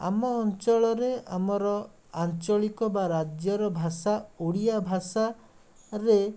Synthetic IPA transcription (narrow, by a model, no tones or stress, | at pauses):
a̰mɔːnt͡ʃɔɭɔɾea̰mɔɾɔ | ant͡ʃɔɭikɔbaɾad͡ʒjɔɾɔbʱasauɽijabʱasa | ɾe